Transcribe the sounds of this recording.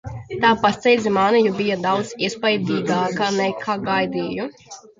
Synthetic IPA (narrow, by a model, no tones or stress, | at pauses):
t̪aːpast̪ɛjd̪zʲimaːnɛjubijad̪awd̪z̥ispajd̪iːɡaːkanɛkʰaːɡajd̪iːju